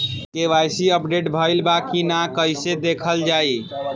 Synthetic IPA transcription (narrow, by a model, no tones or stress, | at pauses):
keʋajsiəpɖeʈbʱəɪlbakinakəjsed̪ekʰəld͡ʒaj